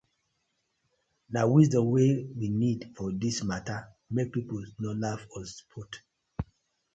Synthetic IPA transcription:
nawisdɔ̃mwewinidfɔdismata | mek̚pipolnɔlavɔsu̥pʰɔt

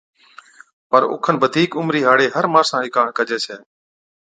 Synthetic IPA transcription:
pəɾʊ̰ːkʰənʋəd̪ʱiːkʊmɾiːɦaːɽeːɦəɾmaːɾsãːɦɪkaːɳkəd͡ʒeːsʰɛː

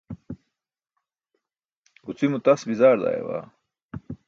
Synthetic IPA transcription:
ut͡simut̪ɐsbizaːɾd̪a̰ːjḛwa̰ː

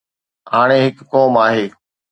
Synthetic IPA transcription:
ɦaːɽ̃ẽːɦɪkːoːmaːɦeː

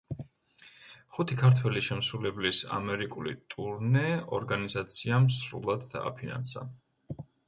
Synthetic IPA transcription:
χut̪ʰikʰaɾt̪ʰwɛliʃɛmsɾulɛblisa̰mɛɾikʼulḭt̪ʼuɾnɛɔɾɡanizat̪sʰiamsɾṵlˠad̪ːa̰ːpʰina̰nsa̰

